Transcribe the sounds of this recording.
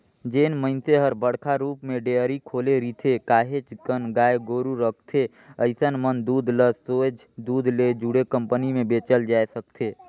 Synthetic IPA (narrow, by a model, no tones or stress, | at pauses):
d͡ʒeːnməɪnseɦəɾbəɽkʰaɾuːpmẽɖeːəɾikʰoːleɾit̪ʰekaːɦet͡ʃkənɡaːeɡoːɾuɾəkʰt̪ʰe | əɪsənmənd̪uːd̪ləsoːd͡ʒ | d̪uːd̪ʱled͡ʒuɽekə̃mpənimẽbeːt͡ʃəld͡ʒaːesək̚t̪ʰeː